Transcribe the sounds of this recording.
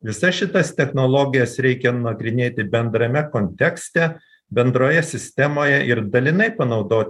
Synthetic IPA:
ʋʲɪsɐʃʲɪt̪ɐst̪ʲɛxnoːlˠoːɡʲɪjɛsɾʲɛɪkʲɛnɐɡɾʲɪnʲeːt̪ʲɪbʲɛnd̪ɾɐmʲɛkonʲt̪ʲɛksʲt̪ʲɛ | bʲɛnd̪ɾoːjɛsʲɪsʲt̪ʲɛmoːjɛʔɪɾd̪ɐlʲɪnɐɪpɐnɒʊd̪oːt̪ʲ

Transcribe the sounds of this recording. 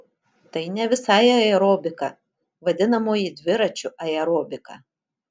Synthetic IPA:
t̪ɐɪnʲɛʋʲɪsɑːjɐɛɾoːbʲɪkɐ | ʋɐd̪ʲɪnɐmoːjid̪ʲʋʲɪɾɐt͡ʃʲʊɐɛɾoːbʲɪkɐ̰

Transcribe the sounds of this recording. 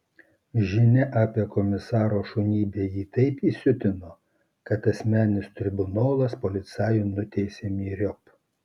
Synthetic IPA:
ʒʲɪnʲɛʔɑːpʲiɛkɔmʲɪsɑːɾoːʃʊnʲiːbʲeːjiːt̪ɐɪpiːsʲʊt̪ʲɪnoː | kɐt̪ɐsʲmʲæːnʲɪst̪ʲɾʲɪbʊnoːlˠɐspɔlʲɪt̪sʲɑːjunʊt̪ʲɛɪsʲeːmʲiːɾʲɔp

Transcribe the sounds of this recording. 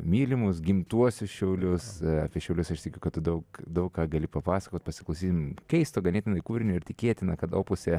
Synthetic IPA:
mʲiːlʲɪmʊsɡʲɪmt̪uɔsʲʊsʃʲɛʊlʲʊsɐ̰pʲiɛʃʲɛʊlʲʊsɐʃt̪ʲɪkʲɛʊkɐt̪t̪ʊd̪ɐʊkd̪ɐʊkkɑːɡɐlʲɪpɐpɑːsɐ̥koːt̪̚ʲpɐsʲɪklˠɐʊsʲiːt̪ʲmkʲɛɪst̪oːɡɐnʲeːt̪ʲɪnɐɪkuːʋɾʲɪnʲʊːɪɾt̪ʲɪkʲeːt̪ʲɪnɐkɐt̪oːpʊsʲɛ

